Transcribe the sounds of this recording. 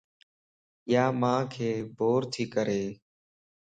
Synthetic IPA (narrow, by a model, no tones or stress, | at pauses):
jaːmãːkʰeːbʱoːɾt̪ʰiːkəɾeː